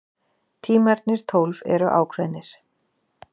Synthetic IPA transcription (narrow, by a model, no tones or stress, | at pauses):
t̪ʰiːmaɾt̪nɪɾ̥t̪ʰowlvɛ̰ɾʏʔa̰ːwkʰvɛnːɪɾ̥